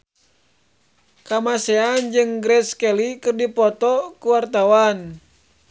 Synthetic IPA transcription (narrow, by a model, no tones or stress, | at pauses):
kamasɛand͡ʒɨŋɡɾɛskɛlikɨrdipɔt̪ɔkuwart̪awan